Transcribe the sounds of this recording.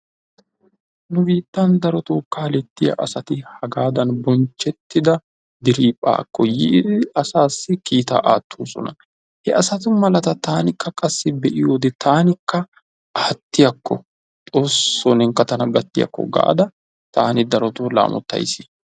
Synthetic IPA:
nʊbiːt̪ːɐnd̪ɐɾɔt̪oːkaːlɛt̪ːɪjɐ̰ʔɐsɐt̪ɪhɐɡaːd̪ɐnbɔnt͡ʃːɛt̪ːɪd̪ɐ | d̪ɪɾiːpʼa̰ːkːɔjiːd̪ɪɐsaːsːɪkiːt̪a̰ːʔaːt̪ʰːuːsɔ̰nɐ̰ | hɛʔɐsɐt̪ʊmɐlɐt̪ɐt̪aːnɪkːɐkʼɐsːɪbɛʔɪjoːd̪ɪt̪ʰaːnɪkːɐː | t̪ːɪjɐkːɔ | t̪ʼoːsːoːnɪŋkɐt̪ɐnɐɡɐt̪ːɪjɐ̰kːɔ̰ɡa̰ʔd̪ɐ | t̪aːnɪd̪ɐɾɔt̪oːla̰ːmɔ̰t̪ːɐ̰jsɪ̥

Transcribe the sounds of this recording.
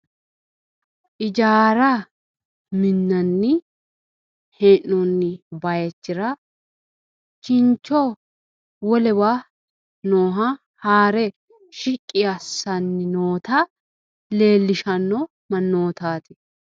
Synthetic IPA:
ʔɪd͡ʒaːɾɐ | mɪnːɐnːɪ | hɛnːɔnːɪbɐjɛt͡ʃːɪɾɐ | t͡ʃɪnt͡ʃːɔ | wɔlɛwa | noːɦɐ | haːɾɛ | ʃɪkʼːɪjasːɐnːɪnoːt̪a | le̞ːlːɪʃɐnːɔ | mɐnːoːt̪aːt̪ɪ

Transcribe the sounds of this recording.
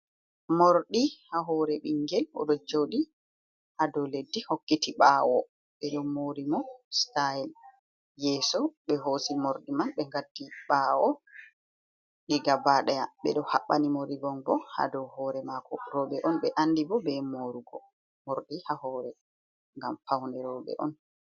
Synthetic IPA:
moɾɗihaɦɔɾɛɓiŋɡɛlɔ̰ɗɔd͡ʒowɗi | hadɔledːihokːitiɓawɔ | ɓɛɗɔmoɾimɔstail | jɛːsɔɓɛɦosimoɾɗimanɓɛŋɡatːiɓaːwɔ | ɗiɡabaɗɛjaɓɛ̰ɗɔhaɓːanimoɾibɔnbɔha̰dɔhɔɾɛmakʰɔ̰ɾɔɓɛʔɔnɓɛʔanːdibɔbɛmoɾuɡɔ | moɾɗihahɔːɾɛ | ŋɡamfawnɛɾɔbɛ̰ʔɔ̰n

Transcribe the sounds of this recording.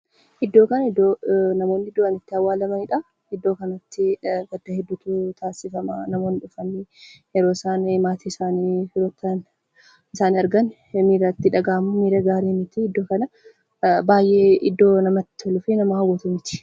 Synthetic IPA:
ʔɪd̪ːo̞ːkɐnɐɪd̪ːonɐmo̞ːnɪɪd̪oɐnɪt̪ːɪɐwːaːlɐmɐᶑɐ | ɪd̪ːo̞ːkɐnɐt̪ːɪɡɐd̪ːɐhɛd̪ːʊt̪ʊt̪ʰaːsɪfɐmɐnɐmo̞ːnɪᶑʊfɐnɪhɛɾoːɪsaːnmaːt̪ʰiːsaːniɾot̪ːɐn | ɪsaːnɪɐɾɡɐn | miːɾɐt̪ːɪᶑɐɡaːmʊmiːɾɐɡaːɾeːmɪt̪ɪɪd̪ːo̞ːkɐnɐ | baːjʔeːɪd̪ːo̞ːnɐmɐt̪ːɪ̥ɔlʊfɪnɐmɐhɐɡɔt̪ʊmɪt̪ɪ̥

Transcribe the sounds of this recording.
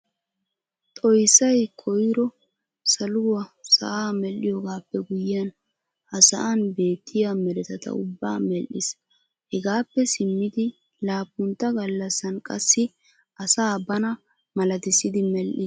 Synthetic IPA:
t̪ʼɔjsːɐjkʰɔjɾɔ | sɐlʊwɐsɐ̰ʔaːmɛlːɪjoːɡaːpːɛɡʊjɪjɐn | hɐsɐʔɐnbe̞ːt̪ʰːɪjamɛɾɛt̪ɐt̪ɐ̰ʊbːaːmɛlːɪs | hɛɡaːpːɛsɪmːɪd̪ɪ | laːpːʊnt̪ːɐɡɐlːɐsːɐnkʼɐ̰sːɪ | ɐsaːbɐnɐ | mɐlɐd̪ɪsɪd̪ɪmɛlʔɪs

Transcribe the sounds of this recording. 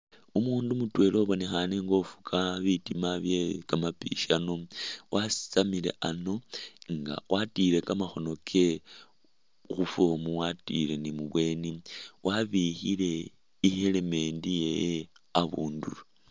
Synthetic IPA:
umuːndumutwe̞loβo̞ne̞xaneŋɡo̞fu̥kʰaβitimaβjekamapḭʃano̞wʔasi̥samile̞̰ʔano̞ŋɡa̰wʔatiɾe̞kamaxo̞no̞kʰe̞ | xufomuwatḭle̞nimuβwe̞ːniwʔaβixile̞ | iheleme̞ːndijejeaβuːndṵlu

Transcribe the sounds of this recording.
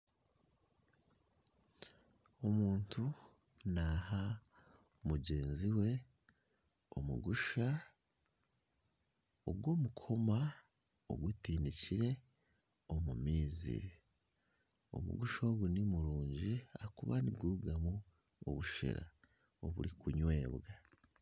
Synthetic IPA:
o̞muːntu | naha | omuɟe̞ːnziwe̞ | o̰mṵɡuʃa | oɡwo̞ːmukʰo̞ma | o̰ɡutiːndiciɾe̞ | o̞mumiːzḭ | o̞̰mṵɡuʃoɡunimuɾuːɲɟiakuβa̰niɡuuɡamu | o̰βuʃḛɾa̰ | o̞βṵɾikuɲwe̞ːβɡa

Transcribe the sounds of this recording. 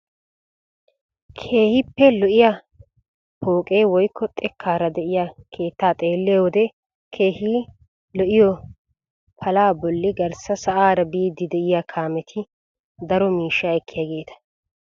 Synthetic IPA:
kʰe̞ːhɪpːɛlɔʔɪjɐ | pʰo̞ːkʼejwɔjkːɔt̪ʼɛkʰːaːɾɐd̪ɛʔɪjakʰe̞ːt̪ːaːt̪ʼe̞ːlːeːwɔd̪ɛ | kʰe̞ːhiː | lɔʔɪjɔ | pʰɐlaːbɔlːɪɡɐɾsɐsɐʔaːɾɐbiːd̪ːɪd̪ɛʔɪjakʰaːmɛt̪ʰɪ | d̪ɐɾɔmiːʃːaɛkʰːɪjaːɡe̞ːt̪ɐ̥

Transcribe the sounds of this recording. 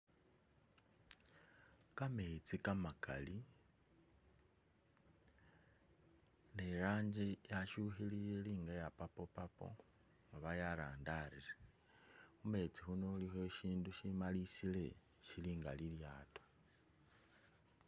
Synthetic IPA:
kame̞t͡sikamakʰa̰li | neɾaːɲd͡ʒejaʃuxilijeliːŋɡajapapopapo̞̰ | ŋɡaβajaɾaːndaɾile | xume̞t͡sixunolixweʃiːnduʃimalisile̞ | ʃiliːŋɡa̰liljaːto̥

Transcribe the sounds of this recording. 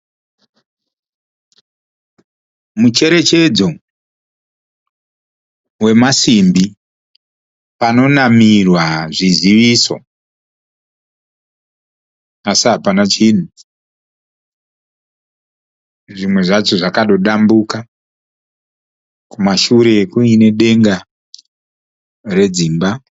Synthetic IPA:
mut͡ʃe̞ɾe̞t͡ʃe̞d͡zo̞ | we̞masimbi | pano̞namirwaʐiziʋiso̞̰ | asiɦapanat͡ʃiɗu | ʐimwe̞ʐat͡ʃoʐakaɗo̞ɗambuka | kumaʃuɾe̞kuine̞ɗe̞ŋɡa | re̞d͡ziːmba

